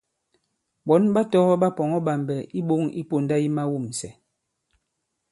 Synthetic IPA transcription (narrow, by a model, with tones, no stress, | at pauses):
ɓɔ˨˦nba˦tɔ˦ɔ˦ɓa˦pɔ˨ŋɔ˦ɓa˨mbɛ˨ʔi˦ɓo˦ŋi˦po˨nda˦i˦ma˦wu˦˨msɛ˨